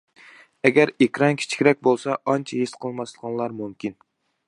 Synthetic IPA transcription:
ɛɡʲæɾekʲɾɑnkʲʰi̥t͡ʃʰi̥kʲɾɛk̚ʲbolˠsɑɑnt͡ʃʰɛɦisqʰəlˠmɑslˠəʁɑnlˠɑɾmumkʲin

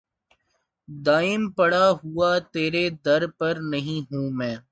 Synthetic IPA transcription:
d̪aːɪmpɐɽaɦuat̪eːɾed̪ɐɾpɐɾnɐɦĩɦũːmɛ̃ː

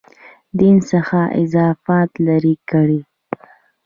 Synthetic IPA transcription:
d̪insaxaʔɪ̰zɑfɑt̪laɾikəɽi

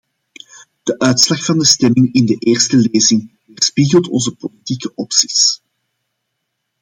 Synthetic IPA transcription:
d̥əʔœɥtslɑxfɑndəstɛmɪŋɪndəʔeːrstəleːzɪŋvərspiɣəlˠtɔ̰nzəpolitikəʔɔpsi̥s

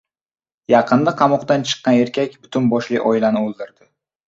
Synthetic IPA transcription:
jɑqʰɨnd̪aqʰɑmɒqt̪ant͡ʃʰɨ̥qːɑne̞ɾkʲakʲbʊt̪ʰʊnbɒʃlɪʔɒɪlanɪolˠd̪ɪɾd̪ɪ

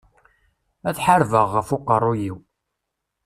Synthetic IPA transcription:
æθħaɾvəʁːəfʊqərˤːujiw

